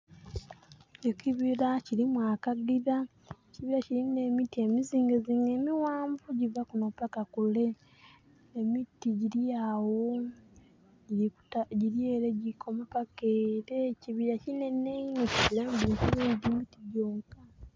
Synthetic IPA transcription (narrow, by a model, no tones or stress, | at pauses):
eciβiɾacilimwaːkaɡiɾa | eciβiɾaciɾine̞mitiemiziːŋɡeziŋemiwaːɱvuɟivakunopakakule̞ | emitiɟiɾiawo | ɟiuaɟiɾieːɾeɟikʰo̞mapakeɾeciβiɾacine̞neineciβiɾambiːkiɾeːndimitiɟoːŋka